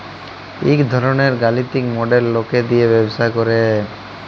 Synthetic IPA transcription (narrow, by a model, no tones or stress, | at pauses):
ikd̪ʱɔɾɔneɾɡalit̪ikmɔɖelːoked̪ijebebsakɔɾe